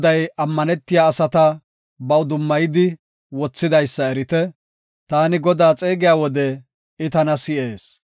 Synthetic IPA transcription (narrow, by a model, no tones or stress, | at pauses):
d̪ɐjɐmːɐnɛt̪ːɪjaːsɐt̪ɐ | bɐwd̪ʊmːɐjɪd̪ɪ | wɔt͡sːɪd̪ɐjsːɐɛɾɪt̪ɛ | t̪aːnɪɡɔd̪aːt͡sʼe̞ːɡɪjaːwɔd̪ɛ | ɪt̪ɐnɐsɪʔeːs